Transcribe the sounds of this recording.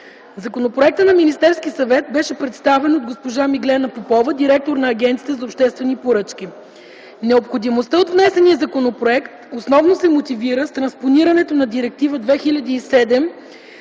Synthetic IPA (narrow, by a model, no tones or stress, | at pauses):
zɐkonopɾoɛk̚t̪ənɐminist̪ɛɾskʲisɐvɛt̪̚bɛʃɛpɾɛt̪st̪avɛnod̪̚ɡospoʒamiɡlɛnɐpopɔvəd̪iɾɛk̚t̪oɾnɐːɡʲɛnt̪sit̪əzɐopʃt̪ɛst̪vɛnipoɾɤt͡ʃkʲi | nɛopxod̪imost̪əot̪vnɛsɛniəzɐkonopɾoɛkt̪osnɔvnosɛmot̪iviɾəst̪ɾɐnsponiɾɐnɛt̪onɐd̪iɾɛk̚t̪ivəd̪vɛxilʲɐd̪ʲiːsɛd̪ɛm